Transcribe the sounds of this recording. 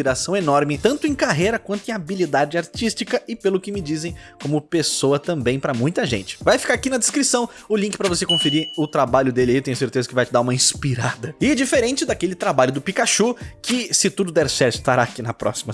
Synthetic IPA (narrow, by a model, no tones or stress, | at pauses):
iɾasɐ̃w̃enɔɾmɪt̪ɐ̃nt̪ʊẽkaɦejɾɐkwɐ̃nt̪ʊẽabilid̪ad͡ʒɪaɾt͡ʃist͡ʃikɐɪpelʊkɪmɪd͡ʒizẽj̃kõmʊpesoɐt̪ɐ̃mbẽj̃pɾɐmũj̃t̪ɐʒḛ̃nt͡ʃɪ̥vajfi̥kaɾakinɐd̪eskɾisɐ̃w̃ʊlĩkɪ̥pɾɐvosekõfiɾiɾʊt̪ɾabaʎʊd̪elɪeewt̪ẽɲ̃ʊseɾt̪ezɐkɪvajt͡ʃɪd̪aɾũmɐĩspiɾad̪ɐɪɛd͡ʒifeɾẽnt͡ʃɪd̪akelɪt̪ɾabaʎʊd̪ʊpikaʃukɪsɪt̪ud̪ʊd̪ɛɾsɛɾt̪ʊɪ̥ist̪aɾaːkinɐpɾɔ̰simɐ